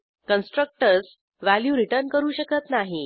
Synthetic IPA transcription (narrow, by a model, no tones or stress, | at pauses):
kənsʈɾək̚ʈəɾs | ʋæljuːɾiʈəɾnkəɾuːɕəkət̪naɦi